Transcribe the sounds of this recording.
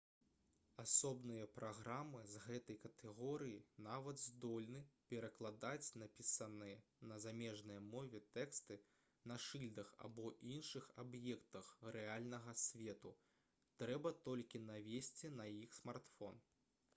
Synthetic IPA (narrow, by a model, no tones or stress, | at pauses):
asɔbnɨjɐpɾaɣɾamɨzɣɛt̪ɐjkɐt̪ʰɛɣɔɾɨjinavɐd̪zd̪ɔlʲnɨpʲɛɾɐklˠad̪at͡sʲnapʲisɐnɨjɐnɐzamʲɛʐnɐjɐmɔvʲɛt̪ɛkst̪ɨ | nɐʂɨlʲd̪ɐxa̰bɔʔinʂɨxabjɛkt̪ɐxrɛalʲnɐɣɐsʲvʲɛt̪u | t̪ɾɛbɐt̪ɔlʲkʲinavʲesʲt͡sʲinɐjixsmart̪fɔn